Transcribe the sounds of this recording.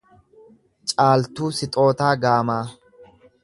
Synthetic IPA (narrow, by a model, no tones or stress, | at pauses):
t͡ʃʼaːlt̪uːsɪt̪ʼo̞ːt̪aːɡaːmaː